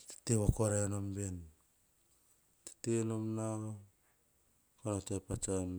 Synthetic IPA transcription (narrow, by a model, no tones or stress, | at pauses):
ti̥teβakoɾanomben | ti̥tenomna | konotepat͡ʃan